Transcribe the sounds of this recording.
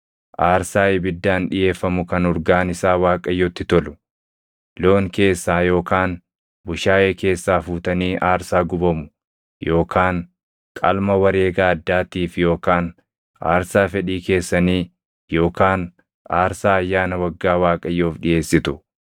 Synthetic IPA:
ʔaːɾsaːɪbɪd̪ːaːnᶑɪje̞ːfːɐmʊkɐnɔɾɡaːnɪsaːwaːkʼɐjːɔt̪ːɪt̪ɔlʊ̥ | lo̞ːŋke̞ːsːaːjo̞ːkaːn | bʊʃaːʔeːke̞ːsːaːfuːt̪ɐniːʔaːɾsaːɡʊbɐmʊ̥ | jo̞ːkʰaːn | kʼɐ̰lmɐwɐɾe̞ːɡaːɐd̪ːaːt̪iːfjo̞ːkaːn | a̰ːɾsaːfɛᶑiːke̞ːsːɐniː | jo̞ːkaːn | aːɾsaːɐjːaːnɐwɐɡːaːwaːkʼɐjːoːfᶑɪʔe̞ːsːɪt̪ʊ

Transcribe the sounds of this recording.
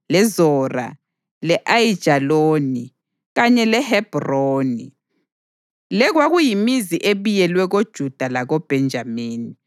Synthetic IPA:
lɛzɔːra̰ | lɛʔajid̥ʒ̥ʱaloni | ɣaɲɛlɛhɛb̥roːni | lɛɣwaɣujimiziʔeβujɛlwɛɣod̥ʒ̥ʱud̥ʱalaɣɔb̥ʱɛnd͡ʒʱamiːni

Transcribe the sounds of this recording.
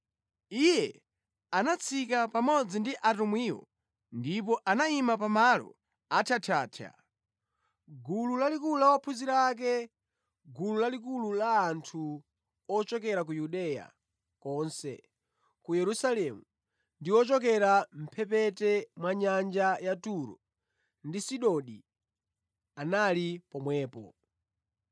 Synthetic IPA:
ijɛ | anat͡sʰikapamɔd͡zindiʔatumwiːwɔ̰ | ndip̬ɔʔanaimap̬amalɔ̰ | atʰatʰaːtʰa̰ | ɡululalikuulawɔpʰuziɾaːk̬ɛ | ɡululalik̬ululaːntʰu | ɔt͡ʃɔkɛɾak̬ujuɗɛja̰ | kɔːnsɛ̰ | kujɛɾusalɛmu | ndiwɔt͡ʃɔk̬ɛɾam̩pʰɛpɛtɛmwaɲand͡ʒajatuɾɔ̰ | ndisiɗɔɗi | analipɔmwɛːpɔ̰

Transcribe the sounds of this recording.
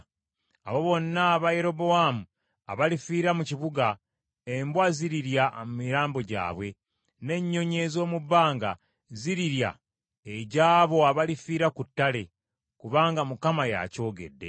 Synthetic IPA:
aβo̞βo̞nːaːβaje̞ɾo̞bo̞wamu | a̰βalifiːɾamuciβuɡa | e̞mbwaziɾiɾjamumiɾaːmbo̞ɟa̰ːβwe̞ | ne̞ɲːo̞ɲe̞zo̞ːmubaːŋɡa̰ | ziɾiɾja̰ | eɟaːβo̞aβalifiːɾakutːale̞ | kuβaːŋɡamukamaja̰co̞ːɡe̞̰dːe̞̰

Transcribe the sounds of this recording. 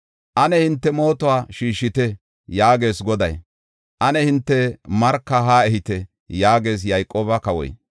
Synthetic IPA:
ʔɐnɛhɪnt̪ːɛmo̞ːt̪ɔwaːʃiːʃːɪt̪ɛ | jaːɡe̞ːsɡɔd̪ɐj | ʔɐnɛhɪnt̪ːɛmɐɾkːɐɦaːɛhɪt̪ɛ | jaːɡe̞ːs̬jɐjkʼːoːbɐkɐwɔ̰j

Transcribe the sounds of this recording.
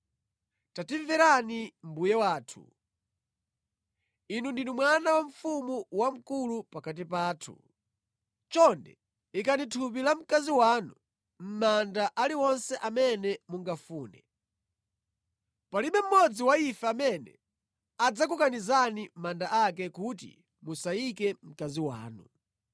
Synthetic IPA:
tatiɱvɛɾanim̩bujɛwaːtʰu̥̰ | inundinumwanawaɱfumuwam̩kulupakat̬ipaːtʰṵ | t͡ʃɔndɛ̰ | ikanitʰupilam̩kaziwaːnu | m̩mandaʔaliwɔnsɛʔamɛnɛmuŋɡafuːnɛ | paliɓɛm̩mɔd͡ziwaifɛːmɛnɛ̰ | ad͡zakukanizanimandaʔak̬ɛkut̬ḭ | musaikɛm̩kaziwa̰ːnu

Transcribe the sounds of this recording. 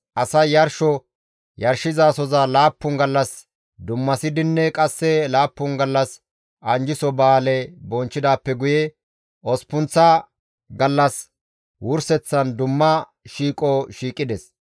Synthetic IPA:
ʔɐsɐjɐɾʃɔ | jɐɾʃɪzaːsɔzalaːpːʊnɡɐlːɐs | d̪ʊmːɐsɪd̪ɪnːɛkʼɐsːɛlaːpːʊnɡɐlːɐs | ʔɐnd͡ʒɪsɔbaːlɛbɔnt͡ʃːɪd̪aːpːɛɡʊjɛ | ʔɔspʊnt͡sːɐ | ɡɐlːɐs | wʊɾsɛt͡sːɐnd̪ʊmːɐ | ʃiːkʼɔʃiːkʼːɪd̪ɛs

